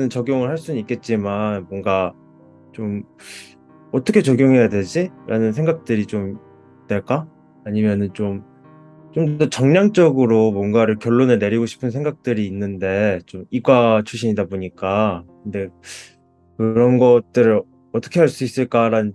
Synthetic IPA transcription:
ɯnt͡ɕʌɡjoŋɯɭhaɭs͈unik͈e̞t̚t͡ɕ͈imanmwʌŋɡa | t͡ɕom | ʌt͈ʰʌkʰet͡ɕoɡjoŋɦe̞jaded͡ʑiɾʔanɯnsʰe̞ŋɡak̚t͈ɯɾit͡ɕom | dweɭk͈aː | ɲimjʌnɯnt͡ɕom | t͡ɕomdʌt͡ɕʌŋɲaŋt͡ɕ͈ʌɡɯɾomwʌnɡaɾɯɭkjʌɭːonɯɭne̞ɾiɡoɕʰi̥pʰɯnsʰe̞ŋɡak̚t͈ɯɾiːnːɯnde̞t͡ɕomiɡwat͡ɕʰuɕʰiɲidaboɲik͈akɯnde̞ | kɯɾʌnɡʌt̚t͈ɯɾɯ | ʌt͈ʰʌkʰe̞ɦaɭs͈uis͈ɯɭk͈aɾanɯn

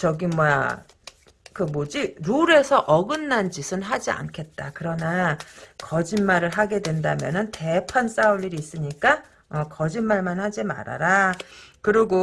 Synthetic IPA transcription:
t͡ɕʌɡimwa | kɯmod͡ʑiɾuɾe̞sʰʌʔʌɡɯnːand͡ʑisʰɯnɦad͡ʑia̰nkʰe̞t̚t͈akɯɾʌnakʌd͡ʑinmaɾɯɭɦaɡe̞dwe̞ndamjʌ̰nɯnte̞pʰans͈auɭʎːiɾiːs͈ɯɲik͈a | ʌkʌd͡ʑinmaɭmanhad͡ʑima̰ɾa̰ɾakɯɾiɡo

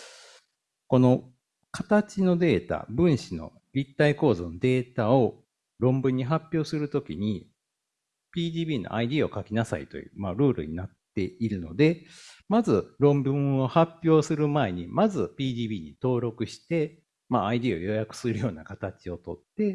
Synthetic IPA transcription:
ko̞no̞ | kat̪at͡ɕino̞d̪e̞ːt̪a̰bɯ̟̃ɰ̃ɕino̞̰ | ɾʲit̪ːaiko̞ːzɨnod̪e̞ːt̪ao̞ | ɾõ̞mbɯ̟̃ɲ̟ːiɦapʲːjo̞ːsɨɾɯ̟t̪o̞kʲḭɲ̟i | pʲiːd̪ʲiːbʲiːno̰ʔaid̪ʲiːo̞kakʲinasa̰ḭt̪o̞̰jɯ̟̰ːmaɾɯ̟ːɾɯ̟̰ɲ̟inat̪ːe̞iɾɯ̟no̞̰d̪e̞mazɨɾõ̞mbɯ̟̃ɰ̃o̞hapʲjo̞ːsɨɾɯ̟mae̞ɲ̟imazɨpʲiːd̪ʲiːbʲiːɲ̟it̪o̞ːɾo̞kɯ̟ɕi̥t̪e̞ | maaid̪iːo̞̰jo̞jakɯ̟̥sɨɾɯ̟jo̞ːnakat̪at͡ɕio̞t̪o̞t̪ːe̞

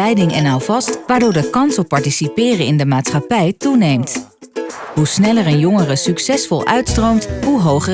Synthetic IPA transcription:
ɛjdɪŋɛnawvɑstʋaːɹdʊːɹdəkɑnsɔpːɑɹtisipɪːrəɪndəmaːtsχɑpɛjtunejmt | ɦusnɛləɹənjɔŋərəsyksɛsfɔlˠœɥtstrowmtɦuɦowχə

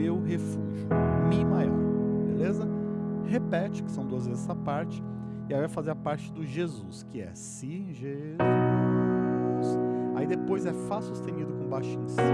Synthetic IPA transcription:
ewɦefuʒʊmĩmajɔɾbelezɐhepɛt͡ʃɪ̥kɪsɐ̃w̃d̪uɐzvezɪɛsɐpaɾt͡ʃɪ̥ | ɪaivajfazeɾɐpaɾt͡ʃɪd̪ʊʒezuskɪɛ̰sĩʒez | usaid̪epojzɛfasust̪ẽnid̪ʊkõbaʃĩs

